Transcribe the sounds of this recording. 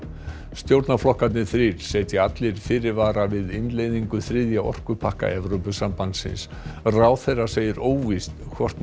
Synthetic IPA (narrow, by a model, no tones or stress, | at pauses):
st̪jowɾt̪naflɔhkat̪nɪθɾɪɾ̥seːjt̪jɪat̪lɪɾ̥fɪːɾɪɾvaːɾavɪðɪnlejðiŋkʏθɾɪðjaʔɔ̰r̥kʏpʰahka̰ʔɛvɾowpʏsampant̪sɪ̰ns | raːwθejraseːjɪɾoːwvist̪kʰvɔr̥t̪n